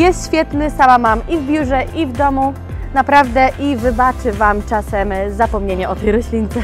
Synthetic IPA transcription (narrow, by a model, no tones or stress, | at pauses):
jɛst̪ɕfʲjɛt̪nɘsamamamivbʲjuʐɛʔivd̪ɔmu | napɾavd̪ɛʔivɘbat͡ʂɘvamt͡ʂasɛmzapɔmɲeɲaɔt̪ɛjɾɔɕlʲint̪sɛ